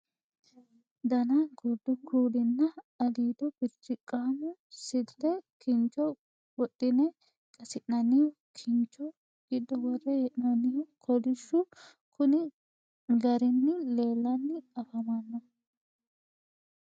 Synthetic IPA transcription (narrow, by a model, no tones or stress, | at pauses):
d̪ɐnɐɡɔd̪ːɔkʰuːd̪ɪnːɐɐliːd̪ɔb̥ɪɾtːɪkʼːanʊsɪlt̪ːɛkɪnt͡ʃːɔ | wɔt̪ʼːɪnɛ | kʼɐsɪʔnɐnɪjɔ | kʰɪnt͡ʃːɔ | ɡ̥ɪd̪ːɔwɔrːɛjɛʔnɐnɪjɔkʰɔlɪʃːʊ | kʰʊnɪ | ɡɐɾɪnːɪle̞ːlːɐnːɪɐfɐmɐnːɐ